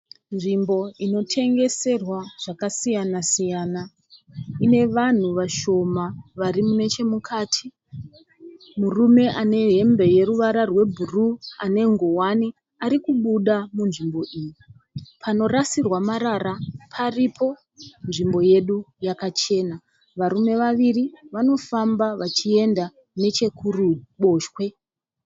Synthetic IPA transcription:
nʐimbo̞ino̞tʰe̞ŋɡe̞se̞rwaʐ̥akasijanasijaːna | ine̞ʋan̤uʋaʃo̞maʋaɾimune̞t͡ʃe̞mukʰaːtʰi | murume̞ʔane̞ɦe̞mbe̞je̞ɾuʋaɾarwe̞bʱuruane̞ŋɡowani | aɾikuɓuɗamunʐimbo̞ʔiːji | pʰano̞rasirwamaɾaɾapʰaripʰo̞ | nʐimbo̞je̞ɗujakat͡ʃe̞ːna | ʋaɾume̞ʋaʋiriʋano̞fambaʋat͡ʃie̞nda | ne̞t͡ʃe̞kʰuruɓo̞ːʃwe̞

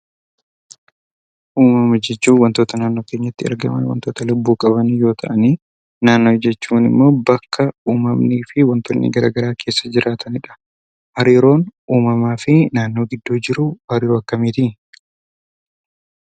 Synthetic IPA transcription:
ʔuːmɐmɐd͡ʒɛt͡ʃːuːnwɐnt̪o̞ːt̪ɐnaːnːo̞ːke̞ːɲːɐɪt̪ːɪɐ̰ɾɡɐ̰mɐ̰nwɐ̰nt̪o̞ːt̪ɐlʊbːuːkʼɐβɐnjo̞ːt̪ʰɐʔɐniː | naːnːoːd͡ʒɛt͡ʃːuːnɪ̰mːo̞ːbɐkʰːɐuːmɐmniːfɪwɐnt̪ɔnːɪ̰ɡɐɾa̰ːɡɐɾaːkʰe̞ːsːɐd͡ʒɪɾʔaːt̪ʰɐnɪᶑɐ̥ | hɐɾiːɾo̞ːnuːmɐmaːfɪnaːnːo̞ːɡɪd̪ːo̞ːd͡ʒɪɾʊbɐɾɪjoːɐkːɐmiːt̪ɪ

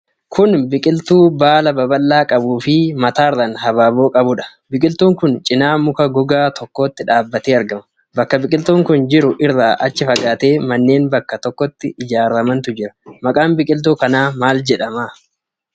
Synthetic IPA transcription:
kʰʊnbɪkʼɪlt̪uːbaːlɐbɐbɐlːaːkʼɐbuːfɪmɐt̪aːɪrːɐnɦɐbaːbo̞ːkʼɐbʊᶑɐ̥bɪkʼɪlt̪uːŋkʊnt͡ʃʼɪnaːmʊkɐɡɔɡaːt̪ʰɔkːo̞ːt̪ːɪᶑaːbːɐt̪eːɐɾɡɐmɐ | bɐkːɐbɪkʼɪlt̪uːŋkʊnd͡ʒɪɾʊʔɪrːaːʔɐt͡ʃːɪfɐɡaːt̪e̞ːmɐnːe̞ːnbɐkːɐt̪ɔkːɔt̪ːɪʔɪd͡ʒaːɾɐmɐnt̪ʊd͡ʒɪɾɐ̥mɐkʼaːnbɪkʼɪlt̪̬uːkɐnaːmaːld͡ʒɛᶑɐmaː

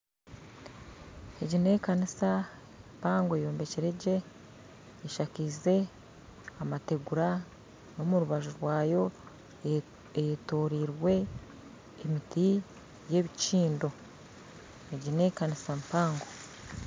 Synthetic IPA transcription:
e̞ɟine̞kanisa | empaːŋɡo̞jo̞ːmbe̞ceɾe̞ɟe̞ː | ʃakize̞ | amate̞ɡuɾa | no̞muɾuβaʒuɾwaːjo̞ | ejetoɾiɾwe̞ː | miti | je̞βiciːndo̞ | eɟine̞kanisampaːŋɡo

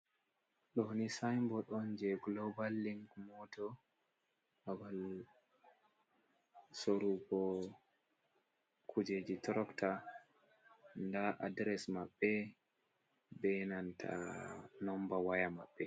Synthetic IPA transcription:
ɗɔnisajmbɔɗɔnd͡ʒɛɡlɔbalːiŋkmɔtɔ | awal | soɾubɔ | kʰud͡ʒed͡ʒitɾɔkta | ndaʔa̰dɾɛsmaɓːɛ | bɛnantʰa̰nɔmbawajamaɓːɛ

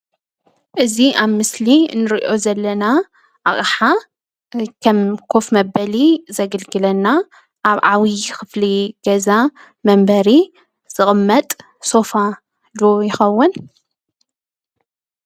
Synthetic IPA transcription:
ʔɨziʔaβmɨslinːɨɾiʔo̞zɐlːɐna | ʔaχʼħa | kʰɐmkʰo̞fmɐbɐlizɐɡɐlɡɨlɐnːa | ʔaβʕawixɨfliɡ̥ɐza | mɐmbɐɾi | z̥ɨχʼɨmːɐt̪ʼ | so̞fa | d̪ojɪxɐwːʊn

